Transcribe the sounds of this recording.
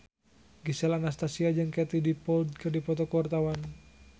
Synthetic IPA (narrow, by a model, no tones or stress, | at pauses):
ɡisɛlanast̪asiad͡ʒɨŋkɛt̪idipɔld̪̚kɨrdipɔt̪ɔkɔrt̪awan